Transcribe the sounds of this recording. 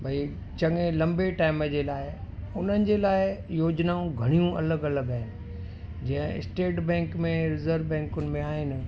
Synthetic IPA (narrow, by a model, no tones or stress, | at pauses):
bʱɐi | t͡ɕɐŋelɐ̃mbeʈaːɪməd͡ʑeːlaːɪʊn̤ənɪ̆d͡ʑelaːɪjoːd͡ʑnaːũɡʱɐɽ̃ijũɐləɡɐləɡaːɦɪnɪ̆ | d͡ʑɐ̃ɦɪ̃ɪ̰sʈeːʈbɛ̃ːŋkmẽɾɪzəɾʋbɛ̃ːŋkʊnɪ̆mẽaːɦɪnɪ̆